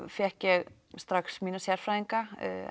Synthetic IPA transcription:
fjɛhcjɛɣ | st̪ɾaxsmiːnasjaɾ̥fɾajðiŋka̰

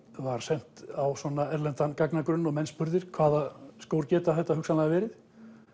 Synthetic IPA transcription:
vaɾ̥sɛn̥t̪awswɔnaɛɾlɛnt̪ankaknakɾʏnːɔɣmɛnspʏɾðɪɾ̥kʰvaːðaskoːwɾcɛːt̪aθɛht̪ːahʏksanlaɣavɛːɾɪθ

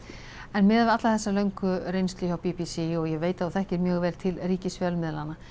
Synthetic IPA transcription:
ɛnmɪːðavɪat̪laθɛsːalœɥŋkʏɾejnst̪liawpipisiɔɣjɛveːjt̪aawθɛhcɪɾmjœːɣvɛːlt̪ʰɪlriːcɪsfjœlmɪðlana

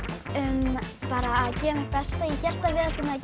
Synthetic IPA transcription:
ʏmpaːɾaːðcɛːmɪpɛst̪aiçɛl̥t̪avɪðɛt̪ɪmɛac

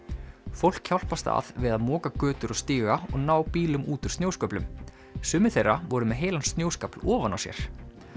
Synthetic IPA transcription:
fowl̥kçawl̥past̪a̰ðvɪðaðmɔːkakœːt̪ʏɾɔɣst̪iːɣaɔɣnaːwpiːlʏmʔuːt̪ʏɾ̥st̪njowskœːplʏm | sʏːmɪ̥θejrːavɔɾʏmɛðɦeːjlanst̪njoːwskaplɔːvana̰wsjɛ̰ɾ̥

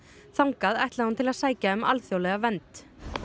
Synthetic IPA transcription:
θawŋkaðɛht̪lahunt̪ʰɪlaðsaːjcaʏma̰lθjowlɛɣavɛnt̪

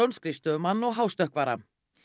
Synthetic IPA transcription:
ownskɾɪst̪ʏmanːɔɣɦaːwst̪œhkvaːɾa̰

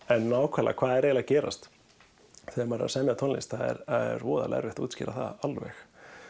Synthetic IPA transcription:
ɛnːaːwkʰvala̰kʰvaːðɛɾeːɣlaðcɛːɾa̰st̪ | θɛːaɾmaɾ̰a̰sɛmjat̪ʰɔnlisθaðɛ̰ɾaðɛ̰ɾvɔːða̰lɛ̰ɾvɪht̪uːt̪scɪɾaθa̰ðalvɛ̰x

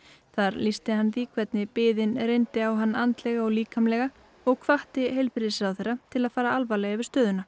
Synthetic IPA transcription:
θaɾlist̪ɪɦanːviːkʰvɛt̪nɪpɪːðɪnɾejnt̪ɪawɦanːant̪lɛɣaɔɣliːkʰamlɛɣa | ɔɣkʰvaht̪ɪɦejlpɪɾɪsɪawθejrːat̪ʰɪlaðfaːɾaalvalɛɣavɪst̪œːðʏna

